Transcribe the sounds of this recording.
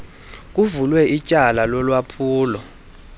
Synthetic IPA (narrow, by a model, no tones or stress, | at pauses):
k̬ʼuvulwɛʔicʼalalɔlwapʰuːlɔ